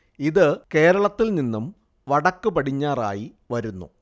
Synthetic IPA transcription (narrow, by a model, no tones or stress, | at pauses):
iðɨke̞ːɾɐɭɐt̪ːilninːum | ʋɐɽɐkːupɐɽiɲːaːra̰ːji | ʋɐɾunːṵ